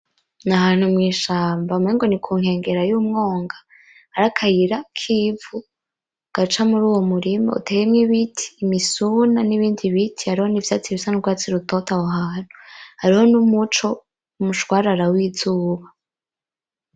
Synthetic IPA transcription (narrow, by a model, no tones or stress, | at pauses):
naɦaːn̥humŋiːʃaːmbameːŋɡo̞nikʰuːŋhe̞ːŋɡe̞ɾajuːmŋo̞ːŋɡa | hːɾakʰajiɾakʰivu | ɡ̥at͡ʃamuɾuːwomuɾima̰ṵtʰejemŋiβitʰi̥ːmisunaniβiːndiβitʰihaɾiho̞nivjaːt͡siβisanuɾɡwaːt͡siɾutotawaɦaːn̥huhaɾiho̞numut͡ʃo̞ | umuʃwaːɾaɾawizuːβa